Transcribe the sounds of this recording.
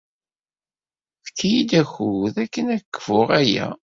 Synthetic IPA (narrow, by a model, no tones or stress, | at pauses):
θkʰːijid̪æçuðækːənækːə̥fʊʁæjæ̰